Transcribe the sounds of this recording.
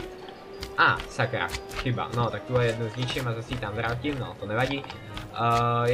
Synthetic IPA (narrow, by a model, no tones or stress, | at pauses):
ʔaːsakɾa̰kxiba̰not̪ak̚t̪ulɛjɛd̪nuzɲit͡ʃimazasit̪amvɾaːcimnɔt̪onɛvaɟi | j